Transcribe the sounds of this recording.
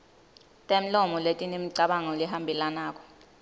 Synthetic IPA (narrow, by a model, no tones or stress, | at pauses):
tʼem̩lɔmɔletʼinimiǀaɓaŋɔuliɦambʱilanaːk̬ʼɔ̥